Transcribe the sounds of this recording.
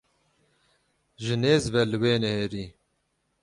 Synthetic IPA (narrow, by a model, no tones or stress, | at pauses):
ʒɨneːzvɛlɨweːnɛheːɾiː